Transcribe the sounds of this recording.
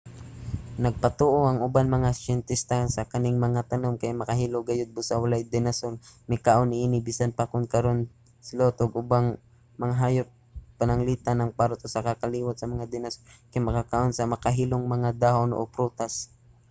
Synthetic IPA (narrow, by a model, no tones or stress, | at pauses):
nɐɡ̚pɐt̪oʔoʔɐŋʊbanmɐŋasɛnt̪ɪst̪ansɐkanɪŋmɐŋat̪ɐnomkajmɐkaɦiːloɡajʊd̪̚bʊsawalajd̪ɛnasolmɐjkaːʔonɪʔiːnɪbiːsanpakʊŋkɐɾon | sɪlot̪oɡʊbaŋ | mɐŋaɦaːjʊp̚panɐŋliːt̪anɐŋpaɾʊt̪ʊsakakaliːwat̪sɐmɐŋad̪ɛnasolkajmɐkakaʔonsɐmɐkaɦiloŋmɐŋad̪aːhonʔo̰pɾut̪as